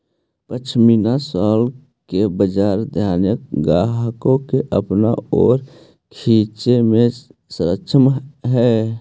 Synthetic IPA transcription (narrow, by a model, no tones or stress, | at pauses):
pət͡ʃʰminasaːl | kebəd͡ʒaːɾd̪ʱjaːnjək̚ɡaːɦkõkeʔəpna̰ɔ̰ːɾ | kʰiːt͡ʃemẽsəɾəkʃʰəmɦɛ